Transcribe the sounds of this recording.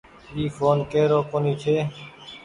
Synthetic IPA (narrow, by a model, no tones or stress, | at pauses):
iːfʰoːnkeːɾoːkoːniːt͡ʃ̪ʰeː